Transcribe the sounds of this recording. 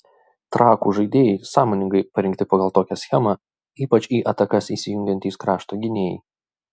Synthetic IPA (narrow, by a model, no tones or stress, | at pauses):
t̪ɾɑːkuːʒɐɪd̪ʲeːjɛɪsɑːmoːnʲɪŋɡɐɪpɐɾʲɪŋʲkt̪ʲɪpɐɡɐlˠt̪oːkʲɛsʲxʲɛmɑ | iːpɐt͡ʃiːʔɐt̪ɐkɐsiːsʲɪjʊŋʲɡʲɛnt̪ʲiːskɾɑːʃt̪oːɡʲɪnʲeːjɛ̰ɪ